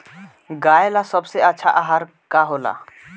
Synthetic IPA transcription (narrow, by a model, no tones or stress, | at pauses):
ɡaːelasɐbseɐtːʃʰaʔaːɦaːɾ | kaɦoːla̰ː